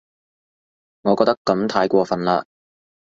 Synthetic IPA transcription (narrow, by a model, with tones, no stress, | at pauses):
ŋɔː˨˧kɔː˧k̚t̪kːɐ˨˥mt̪ʰaː˨˥jkʷɔː˧fɐ˨nlaː˧